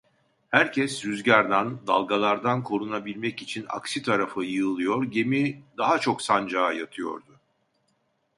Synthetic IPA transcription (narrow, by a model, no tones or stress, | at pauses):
hæɾcʰɛsːyzɟaɾd̪and̪a̰lˠɡalˠaɾd̪ankʰo̞ɾunabilʲmɛcit͡ʃʰina̰ksit̪ʰaɾafɯjɯːlˠɯjo̞ɾɟe̞mid̪aɦat͡ʃʰo̞ksand͡ʒaːjat̪ʰɯjo̞̰ɾd̪ʊ